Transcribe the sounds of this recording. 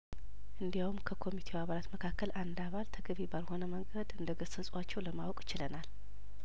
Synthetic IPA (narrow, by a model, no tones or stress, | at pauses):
ʔɨnd̪ijawumkʰəkʰo̞mit̪ʰewaβalat̪məkʰakːəlʔand̪aβalt̪ʰəɡəβebalho̞nəməŋɡəd̪ɨnd̪əɡəsəsʼwat͡ʃːɛwləmawkʼjɪt͡ʃɪlənal